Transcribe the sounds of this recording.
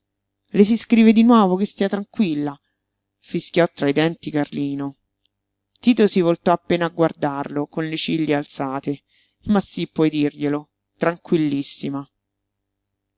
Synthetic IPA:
les̬iskɾiːved̪inwɔːvokest̪iːat̪ɾaŋkwilːa | fiskjɔt̪ːɾaid̪ɛnt̪ikarliːno | t̪iːt̪osivolt̪ɔapːeːnaɡward̪arlokonlet͡ʃilːjealt̪saːt̪e | masːipːwɔjd̪irʎelo | t̪ɾaŋkwilːisːima

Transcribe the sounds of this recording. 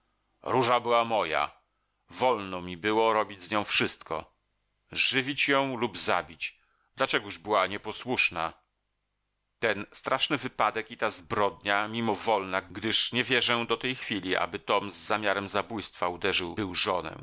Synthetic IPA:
ɾuʐabɘwamɔja̰ | vɔlnɔmʲibɘwɔɾɔbʲid͡ʑzɲɔ̃w̃fʂɘst̪kɔ̰ | ʐɘvʲit͡ɕjɔ̃w̃lubza̰bʲit͡ɕ | d̪lat͡ʂɛɡuʐbɘwaɲɛpɔswuʂna̰ | t̪ɛnst̪ɾʔaʂnɘvɘpad̪ɛkit̪azbɾɔd̪ɲamʲimɔvɔlnaɡd̪ɘʂɲɛvʲjɛʐɛ̃d̪ɔt̪ɛjxfʲilʲiʔa̰bɘt̪ɔmzːamʲjaɾɛmzabujst̪faud̪ɛʐɘwbɘwʐɔnɛ̰

